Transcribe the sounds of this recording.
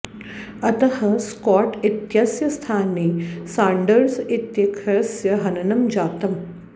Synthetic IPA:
ɐt̪ɐhɐskɔːʈit̪jɐsjɐst̪ʰaːneːsãːɳɖəɾsit̪jɐkʰɐsjɐɦɐnɐnɐmd͡ʒaːp̚t̪ɐm

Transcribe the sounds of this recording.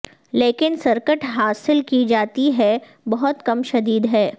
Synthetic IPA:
leːkɪnsɐɾkəʈɦaːsɪlkid͡ʒaːt̪iɦɛ | bɐɦʊt̪kɐmʃɐd̪iːd̪ɦɛː

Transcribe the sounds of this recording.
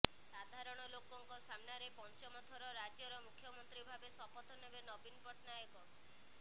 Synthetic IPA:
sad̪ʱaɾɔɽ̃ɔlokɔŋkɔsamnaɾepɔnt͡ʃɔmɔt̪ʰɔɾɔɾad͡ʒɔɾɔmukʰjɔmɔnt̪ɾibʱabesɔpɔt̪ʰɔnebenɔbinpɔʈnajɔkɔ

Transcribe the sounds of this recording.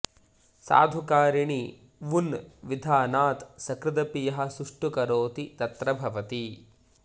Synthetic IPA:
sa̰ːd̪ʱukaːɾiɳi | ʋunʋid̪ʱaːnaːt̪sɐkɾɪd̪ɐpijɐɦɐ̆suʂʈukɐɾoːt̪it̪ɐt̪ɾɐbʱɐʋɐt̪i

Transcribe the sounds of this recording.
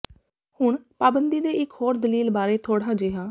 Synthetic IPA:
hʊɳpaːbənd̪iːd̪eːʔɪkʰhoːɾd̪əliːlbaːɾeːt̪ʰoːɽaːd͡ʒeːɦaː

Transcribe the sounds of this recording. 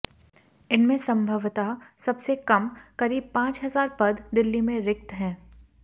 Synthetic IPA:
ɪnmẽsɐ̃mbʱəʋt̪asɐbsekɐmkɐɾiːb̚pãːt͡ʃɦɐzaːɾpɐd̪d̪ɪlːimẽɾɪk̚t̪ɦɛ̃ː

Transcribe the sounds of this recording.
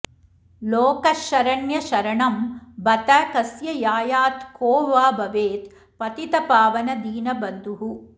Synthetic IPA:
loːkɐʃɐɾɐɳjɐʃɐɾɐɳɐmbɐt̪ɐkɐsjɐjaːjaːt̪koːʋaːbɐʋeːt̪ | pɐt̪it̪ɐpaːʋɐnɐd̪iːnɐbɐnd̪uɦu

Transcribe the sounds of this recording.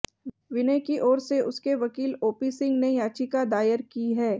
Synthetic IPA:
ʋɪnə̃kiʔɔːɾseʔʊskeʋɐkiːloːpisɪ̃ŋɡnejaːt͡ʃikad̪aːjəɾkiɦɛː

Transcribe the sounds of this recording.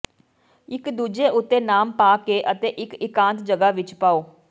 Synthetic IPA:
ɪkd̪uːd͡ʒeːʔʊt̪ːeːnaːmpaːkeːʔət̪eːʔɪkɪkãːnt̪d͡ʒəɡaːʋɪt͡ʃpaːoː

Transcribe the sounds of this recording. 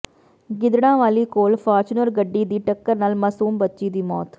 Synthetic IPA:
ɡɪd̪ɐɳãːʋaːlikoːlfaːɾt͡ʃunɐɾɡɐɖːiːd̪iʈɐkːɐɾnaːlmɐsuːmbɐt͡ʃːid̪imo̰ːt̪

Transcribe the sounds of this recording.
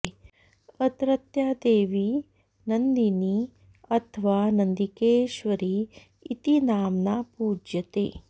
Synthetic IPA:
ɐt̪ɾɐt̪jaːd̪eːʋi | nɐnd̪ini | ɐt̪ʰɐʋaːnɐnd̪ikeːʃʋɐɾiː | t̪inaːmnaːpuːd͡ʒjɐt̪ḛː

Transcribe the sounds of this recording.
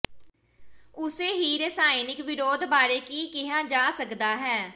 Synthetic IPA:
ʊseːɦiːɾesaːɪnɪkʋɪɾoːd̪baːɾeːkiːkɪɦãːd͡ʒaːsəkd̪aːɦɛː

